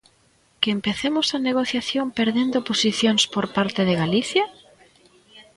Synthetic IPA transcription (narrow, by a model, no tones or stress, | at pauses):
kɪempeθemʊsɐneɣ̞oθjaθjompeɾðend̪oposiθjoŋspoɾpaɾt̪eðɪɣaliθjɐ